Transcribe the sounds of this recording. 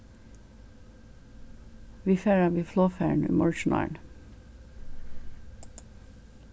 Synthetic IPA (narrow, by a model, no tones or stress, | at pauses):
ʋiːfeːɾɑʋiːfloːfæɳy̰ːmɔlʃn̩ɑ̰ɳ